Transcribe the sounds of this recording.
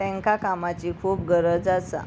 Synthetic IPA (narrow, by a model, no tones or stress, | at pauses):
ɛ̃ŋkakamat͡ɕikʰuːp̚ɡəɾəd͡zasa̰